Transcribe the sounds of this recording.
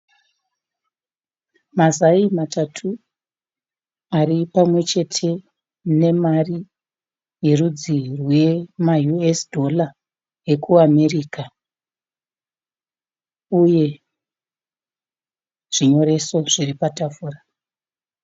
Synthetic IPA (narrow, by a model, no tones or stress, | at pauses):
mazaimatatʰu | aripamwe̞t͡ʃe̞tʰe̞ | ne̞mari | jerud͡zirwe̞majuesdʱo̞la | je̞kʰuame̞riːka | uje̞ | ʐ̥iɲo̞ɾe̞so̞ʐ̥iripatafuːra